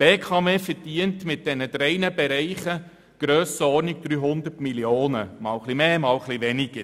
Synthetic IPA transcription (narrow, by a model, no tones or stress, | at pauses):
b̥eːkʰɑːmeːfəɾd̥iəntmɪt̚d̥ɛnəd̥̪ɾɛɪnəbɛɾɛɪχə | ɡ̥ɾøːsəɔɾniɡ̚d̪̥ɾyːɦʊndərtmiljoːnəmɑːwχlimeːmɑːwχliʋɛniɡ̥ə